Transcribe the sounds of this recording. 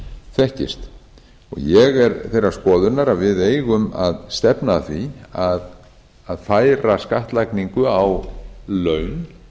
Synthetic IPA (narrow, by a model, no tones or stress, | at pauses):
θɛhcɪ̰st̪ | ɔ̰ɣjɛɣɛɾθejrḁskɔːðʏɾnaɾavɪðeːjɣʏmaðst̪ɛpnaθviað | aðfaːjɾaskaht̪lajkniŋkʏawlœɥn